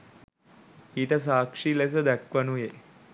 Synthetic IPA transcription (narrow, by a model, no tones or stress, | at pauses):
iːʈəs̬aːkʂiles̬əd̪ækʋənuje